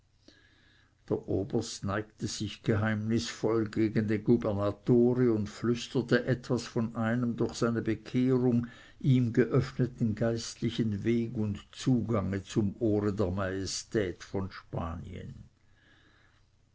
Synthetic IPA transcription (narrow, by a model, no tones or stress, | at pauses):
d̥eːɐʔoːbɐstnaɪktəz̥ɪçɡ̥əɦaɪmnɪsfɔlɡeːɡən̩deːnɡubɛɐnatoːʁəʊndflʏstətəʔɛtv̥asfɔnʔaɪnəmd̪ʊɐxsaɪnəbəkʰeːʁʊŋ | ʔiːmɡəʔœfnətn̩ɡaɪstlɪçənveːɡʊntt͡suːɡaŋət͡sʊmʔoːʁədeːɐmajestɛːtfɔnʃpa̰ːnḭə̰n